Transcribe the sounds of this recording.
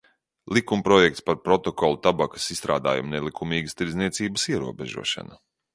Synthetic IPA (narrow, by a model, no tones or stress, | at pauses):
lˠikumpɾɔjɛkt̪spaɾpɾɔt̪ɔkɔlˠut̪abakɐ̥sist̪ɾa̰ːd̪a̰ːjṵmnelˠikumiːɡəst̪iɾzniɛt̪siːbəsiɛɾṵɔbɛʒṵɔʃa̰na